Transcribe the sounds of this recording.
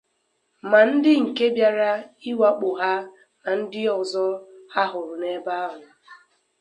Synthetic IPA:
ma˨n̩˦dɪ˦ŋ̩˨ke˦bja˦ɾa˦i˦wa˦k͡pʊ˨ɦa˦ | na˨n̩˦dɪ˦ɔ˨zɔ˦ha˦ɦʊ˨ɾʊ˨ne˦ba˦ɦʊ˨

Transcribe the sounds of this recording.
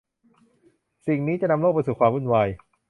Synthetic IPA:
si˨˩ŋniː˦˥t͡ɕa˨˩na˧mloː˥˩k̚pa˧jsuː˨˩kʰwaː˧mɾu˥˩nwaː˧j

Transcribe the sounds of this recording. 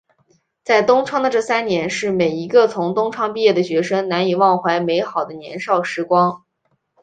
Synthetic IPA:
t͡sa˥˩ɪt̪ʊ˥ŋʈ͡ʂʰwɑ˥ŋd̪ə˨˧ʈ͡ʂɤ˥˩sa˥nnjɛ˧˥nʂɻ̩˥˩me˨˩ɪi˧˥ɡə˧t͡sʰʊ˧˥ŋt̪ʊ˥ŋʈ͡ʂʰwɑ˥ŋpi˥˧jɛ˥˩d̪ə˩ɕɥɛ˧˥ʂɤ˥ŋna˧˥ni˨˩wɑ˥˩ŋxwa˧˥ɪme˧˥ɪxɑ˨˩ʊd̪ə˦njɛ̰˧˥nʂɑ˥˩ʊʂɻ̩˧˥kwɑ˥ŋ

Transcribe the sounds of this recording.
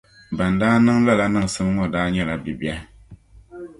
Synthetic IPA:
ba˨ndaː˦nɨ˦ŋla˦la˦nɨ˨ŋ˨sɨ˦m˦ŋɔ˨daː˦ɲɛ˦la˨bi˨bi˦a˦

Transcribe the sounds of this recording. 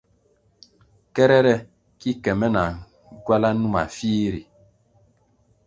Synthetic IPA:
kɛ˦ɾɛ˦ɾɛ˦ | ki˦kɛ˨mɛ˦na˨˦ | ɡwa˦la˦nu˦ma̰˨fiː˦ɾi˨

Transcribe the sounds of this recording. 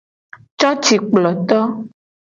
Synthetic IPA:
t͡ʃɔ˦t͡ʃi˨˩k͡plɔ˨t̪ɔ˦

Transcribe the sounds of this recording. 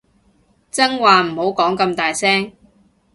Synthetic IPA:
t͡sɐ˥ŋwaː˨m̩˨˩ho˨˥wkɔː˨˥ŋkɐ˧mt̪aː˨jsɛː˥ŋ

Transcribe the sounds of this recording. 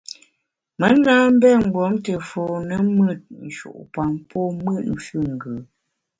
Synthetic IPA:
mə˨˦naː˦m̩˦bɛ˦˨ŋ̩˨ɡwɔ˨˦mtə˨fɔ˨nə˨˦mə˦˨t̚n̩˨ʃṵ˨ʔpa˨ŋpʰɔ˦mə˦tn̩˦fʉ˦ŋ̩˨ɡə˨

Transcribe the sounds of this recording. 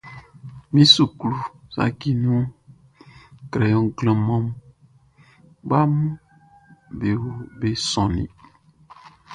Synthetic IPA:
mĩ˦su˨klu˨sa̰˨ki˦nũ˦ | kɾɛ˨jɔ̃˨ɡlə̃˨mɔ̃˦m | ba˦mũ˦ | be˨wo˦be˦sɔ̃˨nḭ̃˨

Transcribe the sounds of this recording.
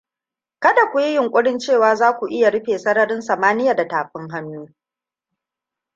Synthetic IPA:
kɐ˦da˨kʷu˨ji˦jɪ˨ŋkʷʼʊ˦ɽɪ˦nt͡ʃeː˦˨waː˨zaː˦kʷu˨ʔɪ˦ja˨ɽɪ˦ɸeː˨sɐ˦ɽɐ˦ɾɪ˦nsɐ˨maː˦nɪ˦ja˨da˨taː˨ɸ̚ɪ˦ŋɦɐ˦nːuː˦

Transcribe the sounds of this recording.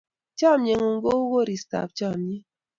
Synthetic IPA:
t͡ʃa˦˨mje˨ŋo˨ŋ˦ɡo˦u˦ɣo˦ɾi˨sta̰˨p̚t͡ʃa˦˨mɲe˦

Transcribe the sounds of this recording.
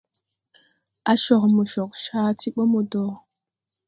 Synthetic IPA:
a˦ʃo˨xmə˨ʃo˨qʃa˦ti˦ɓo˦mo˨do˨

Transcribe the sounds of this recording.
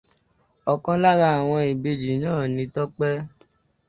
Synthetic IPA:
ɔ˨kã˦la˦ɾa˧˦a˨w̃ɔ̃˧i˨be˧d͡ʒi˨˦nãː˦˨nĩ˧tɔ˦k͡pɛ˦

